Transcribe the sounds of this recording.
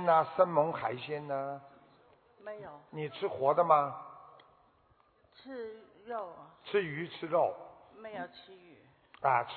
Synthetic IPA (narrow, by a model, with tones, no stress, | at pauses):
nnə˧sə˥nmə˧˥ŋxa˧˥ɪɕjɛ˥nnə˧ | me˧˥jo˨˩˦ni˨˩ʈ͡ʂʰɻ̩˥xwɔ˧˥d̪ə˧mɐ˧ | ʈ͡ʂ̩ʰ˥ | ɻo˥˩ʊʈ͡ʂʰɻ̩˥y˧˥ʈ͡ʂʰɻ̩˥ɻo˥˩ʊ | me˧˥ɪjo˨˩t͡ɕʰi˧˥y˨˩˦ | ə˧˩ʈ͡ʂʰ